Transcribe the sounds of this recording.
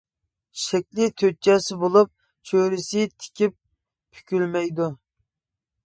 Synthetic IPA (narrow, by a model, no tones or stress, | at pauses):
ʃɛkʲlɪt̪ʰøt͡ʃɛsɪbolˠup̚ | t͡ʃʰøɾɪsɪt̪ʰɪ̥kʲip | pʰy̥kʲylmɛjd̪u